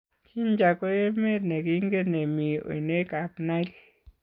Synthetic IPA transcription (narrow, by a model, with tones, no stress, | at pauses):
t͡ʃi˦nd͡ʒa˧ko˦e˦mẽ˦ɾne˨ɡi˦ŋɡe˦ne˨mĩ˧o̰˧˨i˧ne˦ka˧pnã˦ɾi˦˧